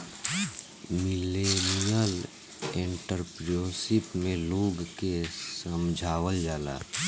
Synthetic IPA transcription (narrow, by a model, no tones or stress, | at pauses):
mɪlenijəl | ẽɳʈəɾpɾijoːsɪpmẽloːɡkesəmd͡ʒʱaːwəld͡ʒaːla̰ː